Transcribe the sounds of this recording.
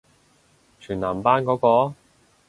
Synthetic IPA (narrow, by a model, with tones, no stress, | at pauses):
t͡ʃʰyː˨˩naː˨˩mpaː˥nkɔː˨˥kɔː˧